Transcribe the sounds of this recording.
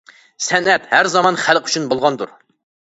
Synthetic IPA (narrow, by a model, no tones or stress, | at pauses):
sɛnɛt̪hæɾzɑmɑnχælqy̥t͡ʃʰynbolˠʁɑnd̪uɾ